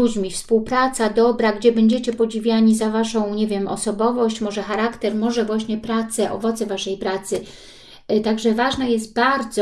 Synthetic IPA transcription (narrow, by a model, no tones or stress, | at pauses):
ud͡ʑmʲifspuwpɾat̪sad̪ɔbɾaɡd͡ʑɛbɛɲd͡ʑet͡ɕɛpɔd͡ʑivʲjaɲizavaʂɔ̃w̃ɲeɛvʲjɛmɔ̰sɔbɔvɔɕt͡ɕmɔʐɛxaɾakt̪ɛɾmɔʐɛvwaɕɲɛpɾat̪sɛʔɔ̰vɔt̪sɛvaʂɛjpɾat̪sɘ | t̪aɡʐɛvaʐnajɛst̪baɾd̪zɔ